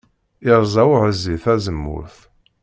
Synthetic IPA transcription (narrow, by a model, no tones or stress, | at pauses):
ɪɾˤzˤɑwʕəzːiθæzəmːʊ̰ɾθ